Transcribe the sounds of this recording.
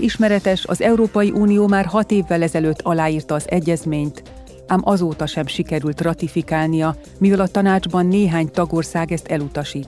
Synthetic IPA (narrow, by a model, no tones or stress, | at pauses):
iʃmɛɾɛt̪ɛʃɒ̰zɛuɾoːpɒjiʔuːnijoːmaːrɦɒt̪eːvːɛlɛzɛløːt̪ʰːɒlaːjiːrt̪ɒːzɛɟːɛzmeːɲt̪ | aːmʔɒzoːt̪ɒʃɛmʃikɛɾylt̪rɒt̪ifikaːlnijɒ | mivɛlɒt̪ɒnaːd͡ʒbɒnːeːɦaːɲt̪ɒɡo̞rsaːɡɛst̪ɛlut̪ɒʃiːt̪ː